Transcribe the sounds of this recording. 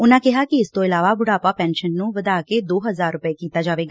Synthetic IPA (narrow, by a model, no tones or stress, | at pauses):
ʊnãːkɪɦaːkɪɪst̪õːɪlaːʋaːbʊɽaːpaːpɛ̃ːnʃənːũːʋəd̪aːkeːd̪oːɦəzaːɾːʊpəeːkiːt̪aːd͡ʒaːʋeːɡaː